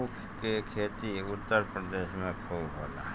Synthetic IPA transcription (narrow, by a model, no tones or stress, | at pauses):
uk | kːekʰeːt̪iʊt̪ːəɾpɾəd̪eːʃmẽkʰowbo̰ːla̰ː